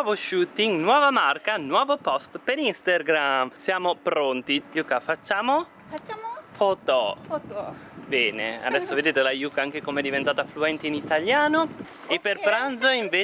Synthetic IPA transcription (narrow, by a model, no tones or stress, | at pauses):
ɔvoʃuːt̪ːiŋnwɔːvamarkanwɔːvopɔst̪peɾinst̪arɡɾamsjaːmopɾont̪ijukafat͡ʃːaːmo | t͡ʃafot̪o | bɛːnḛa̰d̪ɛsːoved̪eːt̪elajukaaŋkekomeɛd̪ivent̪aːt̪afluɛnt̪iinit̪aljaːno | epːerpɾand̪zoiɱveː